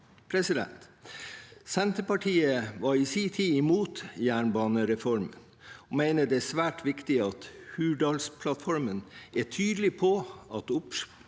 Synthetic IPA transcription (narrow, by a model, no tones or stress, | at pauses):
pʰɾɛsɪd̪ɛ̰nt̪ | sɛnt̪əpɑʈʰiːəʋɑɾisiːt̪ʰiːɪmuːt̪jæːɳbɑːnəɾɛfɔɾmən | ɔmæɪnəd̪ɛæsʋæːʈʰʋɪkt̪ɪɑt̪hʉːɖɑːlspʰlɑt̪fɔɾmənæʈʰyːd̪l̩ɪpʰoɑt̪ʊp